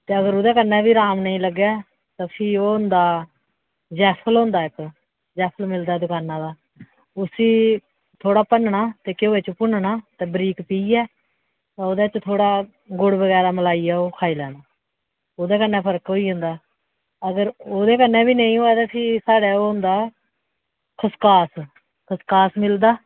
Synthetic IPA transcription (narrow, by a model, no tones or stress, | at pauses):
t̪eːəɡəɾoːd̪eːkənːɛ̃ːbiːɾaːmnəĩːləɡːɛː | t̪ãːpʰiːoːɦʊnd̪aː | d͡ʒɛːpʰəlɦʊ̃nd̪aːɪk | d͡ʒɛːpʰəlmɪld̪aːd̪ʊkaːnãːd̪aː | ʊsiː | t̪ʰoːɽaːpənɳaːt̪eːkɪoːeːt͡ʃpʊnɳaːt̪eːbəɾiːkpiːɛː | t̪ãːoːd̪eːt͡ʃt̪ʰoːɽaː | ɡʊɽbəɡɛːɾaːməlaːiːaːoːkʰaːiːlɛːnaː | oːd̪eːkənːɛ̃ːpʰəɾkɦoːiːɦʊ̃nd̪aː | əɡəɾoːd̪eːkənːɛ̃ːbiːnəĩːɦoːɛːt̪aːsiːsaːɽɛːoːɦʊ̃nd̪aː | kʰəskaːs | kʰəskaːsmɪld̪aː